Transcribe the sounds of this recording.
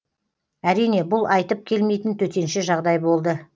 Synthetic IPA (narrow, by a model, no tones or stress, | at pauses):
æɾijne̞bʊlˠʔɑjt̪əp̚kʲʰe̞lme̞jt̪ənt̪ʰɵt̪e̞nʃɪʒɑʁd̪ɑjbo̞lˠd̪ə